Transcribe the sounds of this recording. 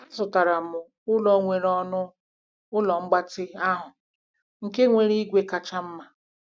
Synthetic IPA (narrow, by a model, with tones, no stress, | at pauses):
tʊ˨ta˨ɾa˨mʊ˨ | ʊ˦lɔ˨ŋʷe˨ɾɔ˦nʊ˦ | ʊ˦lɔ˨ŋ͡m̩˦ɡ͡ba˦tɪ˦a˦ɦʊ˨ | ŋ̩˨ke˦ŋʷe˨ɾi˦ɡʷe˦ka˨t͡ʃa˦m̩˦ma˨